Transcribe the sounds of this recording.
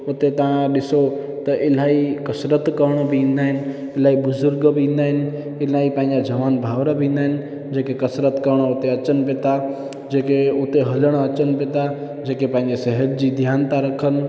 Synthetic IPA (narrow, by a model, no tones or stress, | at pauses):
ot̪et̪ɐʋ̤ãɗɪso | t̪ɐʔɪl̤aːikəsɾət̪kəɾɽ̃obʱiĩn̆d̪aːɦɪnɪ̆ | ɪlaːibʊzʊɾɡbʱiĩːnd̪aːɦɪn̆ | ɪlaːipãːɪ̃d͡ʒad͡ʒəʋaːnbʱaːʋɾəbʱĩːn̆d̪aɦɪn̆ | d͡ʒeːkekəsɾət̪kəɾɽ̃oot̪eət͡ʃənpet̪a | d͡ʒeːkeot̪eɦələɽ̃ət͡ʃənpet̪a | d͡ʒeːkepãːɪ̃ɲd͡ʒeseɦət̪̚d͡ʑid̪ʱjaːnt̪aɾəkʰən̆